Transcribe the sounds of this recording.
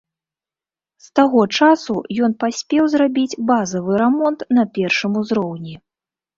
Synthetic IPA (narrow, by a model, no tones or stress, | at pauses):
st̪aɣɔt͡ʂasujɔn̪pasʲpʲɛwzrabʲid͡zʲbazɐvɨɾɛmɔnt̪nɐpʲɛrʂɨmuzɾɔwnʲi